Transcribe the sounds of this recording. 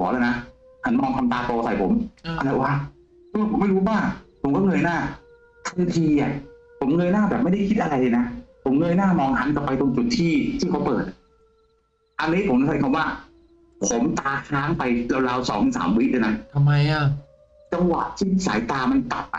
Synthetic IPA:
ɔː˩˦laː˧˥˩wna˦˥ | t̪ʰa˧˥˩nmɔː˧ŋtʰmt̪aː˧t̪oː˧sa˨˩jpʰo˩˦ma˧ɾa˧˩waː˦˧˩ | ɔ˥˩˨pʰo˨˦ma˥˩jɾuː˦˥baː˥˩ŋpʰo˩˦mkɔː˥˩ŋɤː˧jnaː˥˩ | t̪ʰɯ˧t̪ʰiː˧ʔa˨˩ | pʰo˩˦mŋɤː˧jnaː˥˩bɛː˨˩p̚ma˥˩jda˥˩jkʰi˦˥t̪̚ʔa˧ɾa˧jla˧na˦˥pʰo˩˦mŋɤː˧jnaː˥˩mɔː˧ŋt̪ʰa˦˥nka˧˩pːa˧jt̪o˧ŋt͡ɕu˨˩t̪ʰːiː˥˩t̪ʰiː˥˩kʰa˦˥wpɤː˨˩t̪̚ | ʔa˧nːiː˦˥pʰo˩˦mn˧˩sa˨˦kʰmwaː˥˩ | pʰo˩˦mt̪aː˧kʰaː˦˥ŋpa˧jla˧wlaː˧wsɔ̰ː˩˦ŋ˧nsa̰ː˩˦mwi˦˥k̚la˧na˦˥nt̪ʰmːa˧ja˧˩ | t͡ɕa˧ŋwa̰˨˩ʔt̪ʰiː˥˩sa̰ː˩˦jt̪aː˧ma˧nt̪a̰˨˩p̚ːa̰˨˩

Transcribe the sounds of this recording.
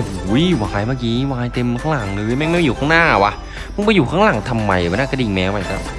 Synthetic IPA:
ʔu˨˩uː˨˦jwaː˨˧jmaː˧˩kiː˦waː˧jt̪e˧mkʰaː˥˩laː˨˩˦ŋlɯː˧jma˥˩˨ŋm˥˨ma˧juː˨˩aː˥˩ŋnaː˥˩a˨˩wa˧ | ma˧˥˨ŋpa˧juː˨˩kʰaː˥˩ŋla˨˩˦ŋt̪ʰa˧mːa˧jʔnaː˥˩ka˧˩i˧ŋmɛː˨˧˥wma˧˩jt̪a̰˧˩

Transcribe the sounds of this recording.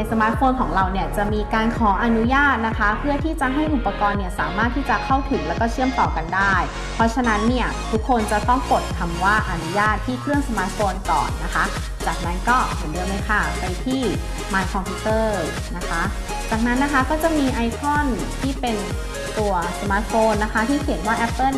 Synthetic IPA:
a˧jsa˧maː˦˥t̪̚fʰoː˧nkʰɔː˩˦ŋɾa˧wni˥˩ɐt͡ɕa˨˩miː˧kaː˧nkʰɔː˩˦ʔa˧nu˦˥jaː˥˩t̪̚na˦˥kʰa˦˥pʰɯ˥˩t̪ʰiː˥˩t͡ɕa˨˩ɦa˥˩jʔu˨˩pːa˧kɔː˧nːi˦˥˩ɐsaː˩˦maː˥˩t̪ʰːiː˥˩t͡ɕa˨˩kʰa˥˩wt̪ʰɯː˨˩˦ŋlɛː˦˥wkɔː˥˩t͡ɕʰɯ˥˩əmt̪ɔː˨˩ka˧ndaː˥˩j | pʰɔ˦˥t͡ɕʰa˧na˦˥nːi˥˩ɐt̪ʰu˦˥kʰːo˧nt͡ɕa˨˩t̪ɔ˥˩ŋko˨˩t̪̚kʰa˧mwaː˥˩ʔa˧nu˦˥jaː˥˩t̪ʰːiː˥˩kʰɾɯ˥˩əŋsa˧maː˦˥t̪̚foː˧nkɔ̰ː˨˩nːa˦˥kʰa˦˥ | t͡ɕaː˨˩k̚na˦˥nkɔː˥˩he˨˩˦nlɯ˧˩˨mː˧˦kʰa˧˩pa˧jt̪ʰiː˥˩ | maː˧nkʰɔː˧ŋpʰi˧˥t̪ɤː˥˩ | na˦˥kʰa˦˥ | t͡ɕaː˨˩k̚na˦˥nːa˦˥kʰa˦˥kɔː˥˩t͡ɕa˨˩miː˧ʔa˧jkʰɔ˥˩˨n | t̪ʰiː˥˩pe˧n | t̪u˧ɐsa˧maː˦˥t̪̚foː˧nːa˦˥kʰa˧˦˥t̪ʰiː˥˩kʰi˨˩˦nwaː˥˩ʔɛ˦˥pːɤ˥˩˨

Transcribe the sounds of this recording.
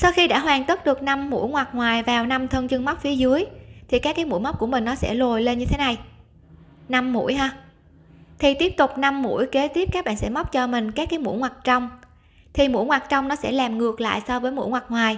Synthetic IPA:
sa˧wxi˧ɗa̰ː˧˥ɦwaː˨˩ŋt̪ə˦˥t̚ɗɨ˨˩ək̚na˧mːṵ˧˥jŋwa˨˩k̚ŋwaː˨˩jvaː˨˩wna˧mt̪ʰə˧ŋt͡ɕɨ˧əŋma˦˥k͡p̚fi˨˦əzɨ˨˦əjt̪ʰi˨˩kaː˦˥kːaː˨˦jmṵ˧˥jma˦˥k͡p̚ku˧˩əmï˨˩ŋ̟nɔ˨˦sɛ̰˧˥lo˨˩jle˧nɲɨ˧t̪ʰe˨˦na˨˩j | na˧mːṵ˧˥əjɦaː˧ | t̪ʰi˨˩t̪i˦˥p̚t̪ʊ˨˩k͡p̚na˧mːṵ˧˥əjke˨˦t̪i˦˥p̚aː˦˥k̚ɓa̰ː˧˨nsɛ̰˧˥ma˦˥k͡p̚t͡ɕɔ˧mï˨˩ŋ̟kaː˦˥kːaː˨˦jmṵ˧˥jŋwaː˨˩k̚t͡ɕɔ˧wŋ͡m | t̪ʰi˨˩mṵ˧˥jŋwaː˨˩k̚t͡ɕɔ˧wŋ͡mnɔ˨˦sɛ̰˧˥laː˨˩mŋɨ˨˩ək̚la̰ː˧˨jsɔ˧vəː˨˦jmṵ˧˥jŋwa˨˩k̚ŋwaː˨˩j

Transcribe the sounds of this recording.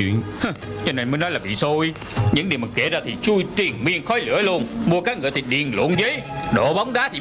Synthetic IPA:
wḭ˧˨ənh | t͡ɕɔ˧ne˧˩nmə˨˦nɔ˨˦jlaː˨˩vḭ˧˨so˧j | ɲɨ̰˧˥ŋɗi˨˩əwmɨ˨˩ŋke˧˩zaː˧˩t̪ʰi˨˩t͡ɕu˧jt͡ɕi˨˩ənmi˧ənxɔ˨˦jlɨ̰˧˥əlu˧ənmu˧əkaː˦˥k̚ŋɨ̰˧˨ət̪ʰi˨˩ɗḭ˧˨ənlo̰˧˩nzəː˨˦jɗo̰˧˨ɓa˨˦wŋ͡mɗaː˨˦t̪ʰi˨

